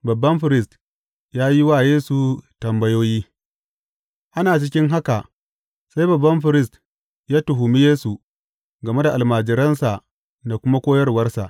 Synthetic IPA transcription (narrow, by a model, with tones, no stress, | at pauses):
bɐ˨bːɐ˦mɸɪ˨ɾɪ˦st | jaː˦ji˦wa˦˨jeː˦su˨tɐ˨mbɐ˦joː˦jiː˦ | ʔa˦naː˨t͡ʃɪ˦kʲɪ˦ŋɦa˦ka˨ʔ | sa˦jbɐ˨bːɐ˦mɸɪ˨ɾɪ˦st | jaː˦tʊ˨ɦʊ˨mi˦jeː˦su˨ | ɡɐ˨me˦da˨ʔa˨lmaː˨d͡ʒɪ˨ɾɐ˦nsa˨ʔ | da˨kʷʊ˦ma˦kʷoː˦jɐ˦rwɐ˦rsa˨ʔ